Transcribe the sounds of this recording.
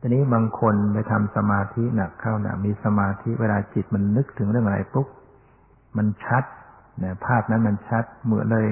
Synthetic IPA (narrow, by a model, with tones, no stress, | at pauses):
t͡ɕʰaː˧niː˦˥baː˧ŋkʰo˧nba˧jt̪ʰa˧msa˧maː˧t̪ʰi˦˥na˨˩kʰːa˥˩wna̰˨˩miː˧sa˧maː˧t̪ʰi˦˥ʔweː˧laː˧t͡ɕi˨˩t̪̚ma˧nːɯ˦˥k̚t̪ʰɯ˩˦ŋɾɯ˥˩əŋɾa̰˧jpu˦˥k̚ | ma˧nt͡ɕʰa˦˥t̪̚na˧˥˩pʰaː˥˩p̚na˦˥nma˧nt͡ɕʰa˦˥t̪̚mɯ˨˩˦ənlɤː˧j